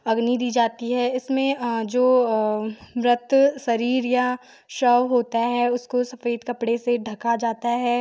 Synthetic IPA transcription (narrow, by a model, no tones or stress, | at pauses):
ɐɡnid̪iːd͡ʒaːt̪iɦɛːɪsmẽd͡ʒoː | mɾɪt̪sɐɾiːɾja | ʃɔːʋɦoːt̪aɦɛʊskosɐfeːd̪kɐpɽeseɖʱɐkad͡ʒaːt̪aɦɛː